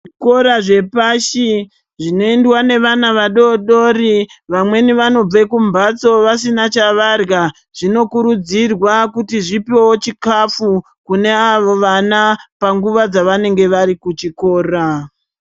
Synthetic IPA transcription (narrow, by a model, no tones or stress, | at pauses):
ko̞ɾaʐe̞paʃi | ʐino̞endwane̞ʋanaʋaɗo̞ɗo̞ːriʋamwe̞niʋano̞b͡vekumbat͡so̞ʋasinat͡ʃaʋarɣa | ʐ̥ino̞kuɾud͡zirwakutiʐipewot͡ʃikafu | kune̞aʋo̞ʋanapaŋɡuʋad͡zaʋane̞ŋɡe̞ʋaɾikut͡ʃiko̞ːra